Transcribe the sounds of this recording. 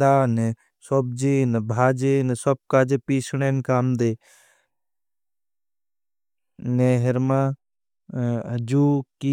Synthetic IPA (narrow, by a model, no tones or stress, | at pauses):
d̪aːne | sob̚d͡ʒinbʱaːd͡ʒensɔb̚kaːd͡ʒepiːsʰɽeːnkaːmd̪eː | neɦɪɾmã | d͡ʒuːki